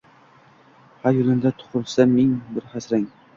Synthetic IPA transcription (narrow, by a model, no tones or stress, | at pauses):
hajolɪmd̪at̪ʰʊ̥qʊlˠsamɪŋbɪɾχasɾaŋ